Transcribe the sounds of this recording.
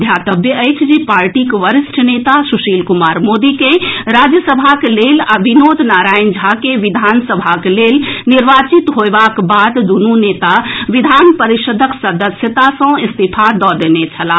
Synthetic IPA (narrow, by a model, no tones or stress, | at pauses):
d̪ʱjat̪əbjəət͡ʃʰd͡ʒipaɾʈikʋəɾisʈʰənet̪asuʃilkumaɾmod̪ikeɾad͡ʒjəsəbʱakelelaʋinod̪ʱnaɾajnd͡ʒʱakeʋid̪ʱansəbʱaklelniɾʋat͡ʃit̪ɦoebakbad̪d̪ununet̪aʋid̪ʱanpəɾiʃəd̪ʱəksəd̪əsjət̪asə̃ist̪ipʰad̪ɔd̪enet͡ʃʰəla